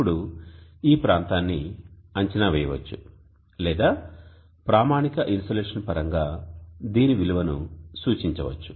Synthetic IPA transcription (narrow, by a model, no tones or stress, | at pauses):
uɽuiːpɾaːnt̪aːnːiɐɲt͡ʃɐnɐʋɛːjɐʋɐ̰t͡ʃːu | lɛːd̪aː | pɾaːmaːnikɐʔinstɐleːʂɐnpɐɾɐŋɡaːd̪iːniʋiluʋɐnṵsuːt͡ʃiɲt͡ʃɐʋɐ̰t͡ʃːu̥